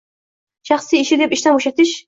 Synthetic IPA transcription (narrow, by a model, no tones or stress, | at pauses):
ʃɑχsijɪʃɪd̪epiʃt̪anboʃat̪ʰɪʃ